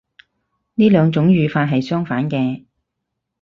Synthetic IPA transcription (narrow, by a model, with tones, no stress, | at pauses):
niː˥lœː˨˧ŋt͡sʊ˨˥ŋjyː˨˧faː˧t̚ɦɐ˨jsœː˥ŋfaː˨˥nkɛː˧